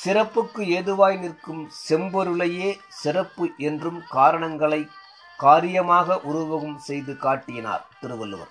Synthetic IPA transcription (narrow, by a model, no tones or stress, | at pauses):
sɪrɐpːɯkːɯeːðɯʋaːjɪnɪrkɯmsɛmbɔɾɯɭɐjeːsɪrɐpːɯʔɛndrɯmkaːɾɐɳɐŋɡɐɭɐɪ | kaːɾɪjɐmaːɣɐʔʊɾʊʋɐɣɯmsɛjðɯkaːʈːɪjɪna̰ːɾt̪ɪɾɯʋɐlːɯ̰ʋɐ̰ɾ